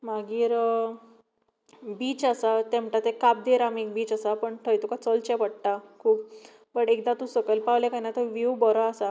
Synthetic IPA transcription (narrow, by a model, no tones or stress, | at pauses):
maɡiːɾ | biːt͡ɕasat̪ẽm̤ʈat̪ekap̚d̪eɾamek̚biːt͡ɕasapəɳʈ̪ʰəjt̪ukat͡sɔlt͡ɕepəɽʈakʰuːp | bəʈek̚d̪at̪ũsəkəlpaʋlekanat̪əʋibɔɾɔasa